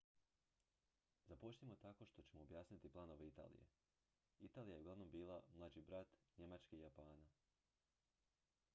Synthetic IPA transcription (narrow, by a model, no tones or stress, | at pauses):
zapot͡ʃt̪imo̞t̪ako̞ʃt̪o̞t͡ɕe̞mo̞ːbjaːsnit̪iplˠano̞ʋeit̪a̰ːlḭjḛ | it̪aːlijajeɡlˠaʋno̞mbiːlˠamlˠad͡ʑibɾat̪ɲe̞mat͡ʃkeijapaːna